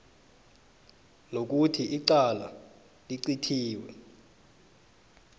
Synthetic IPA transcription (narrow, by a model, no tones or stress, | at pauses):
nok̬utʰiʔiǀala̰ | liǀitʰiːwɛ̰